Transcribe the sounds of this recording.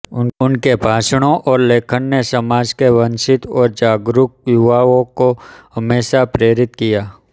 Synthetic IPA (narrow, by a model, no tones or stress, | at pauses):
ʊnkebʱaːʃɽ̃õʔɔːɾleːkʰənnesəmaːd͡ʒkeʋɐ̃nʃɪt̪ɔːɾd͡ʒaːɡɾʊk̚jʊʋaːõkoɦɐmeːʃapɾeːɾɪt̪kijaː